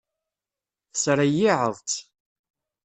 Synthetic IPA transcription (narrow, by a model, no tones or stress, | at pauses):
θəsɾajɪʕəðˤt̪